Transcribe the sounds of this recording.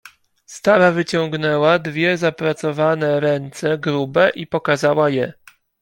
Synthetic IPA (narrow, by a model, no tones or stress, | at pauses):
st̪aɾavɘt͡ɕɔŋ̃ɡnɛwad̪vʲjɛzapɾat̪sɔvanɛɾɛnt̪sɛɡɾubɛʔipɔkazawajɛ